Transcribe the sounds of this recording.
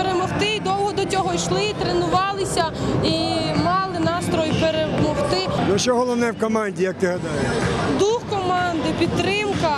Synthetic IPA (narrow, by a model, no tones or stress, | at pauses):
peɾemɔwt̪ɪid̪ɔlˠɦɔd̪ɔt͡sʲɔɦɔjʃlˠɪt̪ɾenʊʋɑlˠɪsʲɐimɑlˠɪnɑst̪ɾɔjpeɾemɔwt̪ɪnuʃt͡ʃɔɦɔlˠɔwnɛwkɔmɑnʲdʲijɐk̚t̪ɪɦɐd̪ɑjeʃd̪uxkɔmɑnd̪ɪpʲid̪̚t̪ɾɪmkɐ